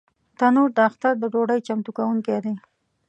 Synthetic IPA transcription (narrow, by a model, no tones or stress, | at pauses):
t̪anuɾd̪əaxt̪aɾd̪əɖoɽəjt͡ʃamt̪ukawuŋked̪e